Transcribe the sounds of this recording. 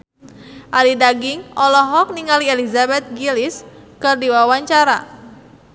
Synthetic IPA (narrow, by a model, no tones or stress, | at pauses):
ʔalidaɡɪŋɔlɔɦɔk̚niŋalielizabɛt̪̚ɡilɪskɨrdiwawaɲt͡ʃaɾa̰